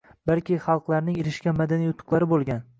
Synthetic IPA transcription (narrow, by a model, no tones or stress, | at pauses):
balkʲɪχɑlˠqlˠaɾnɪŋeɾɪʃkʲamad̪anijʊt̪ʰːʊ̥qlˠaɾɪbolˠɡʲan